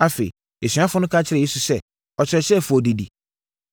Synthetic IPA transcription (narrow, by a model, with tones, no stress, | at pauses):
a˦fe˨i˨ | e˨sɥ̃a˦fʊ˦nʊ̃˦kʰa˦t͡ɕʰɪ˦ɾɛ˨je˦su˨sɛ˦ | ɔ˨t͡ɕʰɪ˨ɾɛ˨sɛ˦˨fʊ˨ɔ˨di˨di˨